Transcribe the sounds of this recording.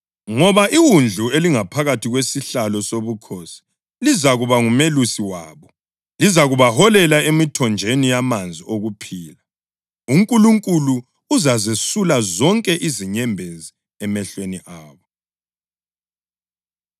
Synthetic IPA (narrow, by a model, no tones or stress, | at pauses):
ŋɔβaʔiwund͡ɮʱueliŋapʰaɣatʰiɣwesiɬalɔsoβukʰosi̥ | lizaɣuβaŋumelusiwaːβɔ | lizaɣuβahɔlɛlaemitʰɔnd͡ʒʱenijamand͡zʱioɣupʰiːla | uŋkʼuluŋkʼuluː | zazesulazɔŋkʼɛʔiziɲɛmbʱezi | ɛmɛɬweniʔaːβɔ